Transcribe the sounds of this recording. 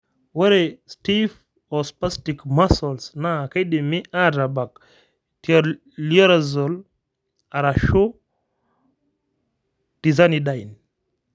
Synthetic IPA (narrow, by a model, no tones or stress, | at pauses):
wɛɾɛstif | ɔspastikmasɔlsnakajdimiʔadabak | tiaɾ | liɔɾazɔl | aɾaʃo | d̥izanidajin